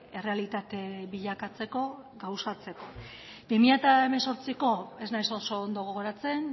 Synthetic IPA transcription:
e̞re̞alit̪at̪e̞βiʎakat͡se̞ko̞ɡawsat͡se̞ko̞ | bimiʎat̪aeme̞nso̞ɾt͡siko̞e̞znajsoso̞ːnd̪o̞ɣ̞oɣo̞ɾat͡se̞n

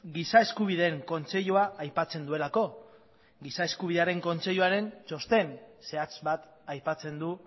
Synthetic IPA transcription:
ɡisae̞skuβ̞iðe̞ːŋko̞nt͡se̞ʎuaːjpat͡se̞nd̪ue̞lako̞ | ɡisae̞skuβ̞iðe̞aɾe̞ŋko̞nt͡se̞ʎuaɾe̞nt͡ʃo̞st̪e̞nse̞at͡sbat̪ | ajpat͡se̞nd̪u

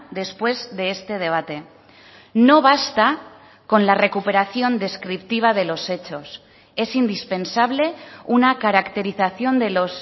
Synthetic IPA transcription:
d̪e̞spwe̞zðe̞est̪e̞ð̞e̞β̞at̪e̞ | no̞β̞ast̪a | ko̞nlare̞kupe̞ɾaθjo̞nd̪e̞skɾip̚t̪iβ̞að̞e̞lo̞se̞t͡ʃo̞s | e̞sind̪ispe̞nsaβ̞le̞unakaɾakt̪e̞ɾiθaθjo̞nd̪e̞lo̞s

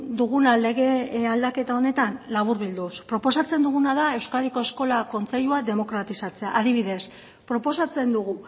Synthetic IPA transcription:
d̪uɣunale̞ɣ̞e̞ald̪ake̞t̪ao̞ne̞t̪anlaβ̞uɾβild̪uspɾo̞po̞sat͡se̞nd̪uɣ̞unaðae̞wskaðiko̞e̞sko̞lako̞nt͡se̞ʎuaðe̞mo̞kɾat̪isat͡se̞aʔaðiβiðe̞s | pɾo̞po̞sat͡se̞nd̪uɣ̞u

